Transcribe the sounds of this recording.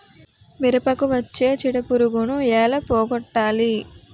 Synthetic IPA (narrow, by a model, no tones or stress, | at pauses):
miɾɐpɐkuʋɐt͡ʃːe̞ːt͡ʃiɽɐpuɾuɡunuɛːlɐpɔːɡɔʈːaːli